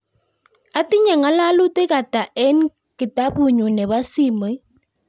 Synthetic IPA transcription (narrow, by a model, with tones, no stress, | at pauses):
a˦ti˦ɲa˨ŋa˦la˦lu˦te˦ka˨ta˨ʔɛ˦n | kɪ˨ta˦pu˦˨ɲu˨nɛ˨βa˦si˦mə˨˦j